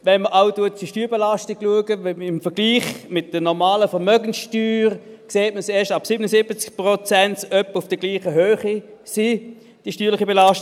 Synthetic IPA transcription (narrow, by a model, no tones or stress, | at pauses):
vɛnməʔaʊtuətːiʃtyːbelastɪɡ̥luəɡəɪmfəɐɡliːχmɪtd̥ənɔʁmaːləfɛʁmœɡən̩sʃtyːʁkseːtməseːɐʃtɑpsibənəsɪbət͡skpʁot͡sɛntœpʊfd̥əɡliːχəɦøːχisi | d̥iːʃtyːlɪχibelaʃt